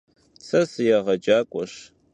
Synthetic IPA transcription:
sʰɐsɨjaʁɐd͡ʒaːkʷʼɔɕ

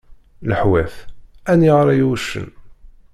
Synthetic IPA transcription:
ləħwæθæniʁɾæjwʃə̰n

